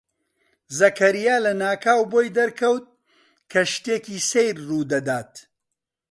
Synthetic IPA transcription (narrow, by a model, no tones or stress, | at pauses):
zɐkɐɾijaːlɐnaːkʰaːwboːjd̪ɐɾkʰɐwt̪̚ | kʰɐʃt̪eːkiːsejɾruːd̪ɐd̪aːt̪